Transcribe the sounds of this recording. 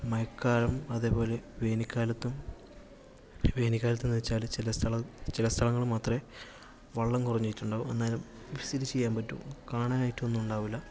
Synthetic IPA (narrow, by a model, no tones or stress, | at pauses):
mɐjɐkːaːɾɐmɐðe̞ːpo̞ːle̞ʋeːnikʲːaːlɐt̪ːum | ʋe̞ːnikʲːaːlɐt̪̬ːuniit͡ɕːaːlt͡ɕilɐsʰɐɭɐt͡ɕilɐst̪ʰɐɭɐŋːɐɭumaːt̪re | ʋɐɭːɐmkurɐɲːejtːuɳɖaːʋume̞nːaːlum | ifisidit͡ɕːe̞jːaːmpɐtːṵkaːɳaːnaːjitːuenːuuɳɖaːʋilːɐ